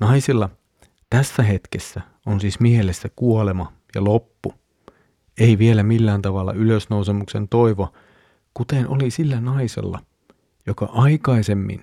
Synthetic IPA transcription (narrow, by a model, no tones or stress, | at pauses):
nɑisilːɑ | t̪æsːæɦet̪kesːæ | onsiːsmiehelesːækuolemɑ | jɑ̰lopːu | eiʋielæmilːæːnt̪ɑʋɑlːɑ̰yløsnousemuksent̪oiʋo | kut̪enʔo̰lisilːænɑisḛlːɑ̰ | jokɑ̰ʔɑikɑise̞mːḭn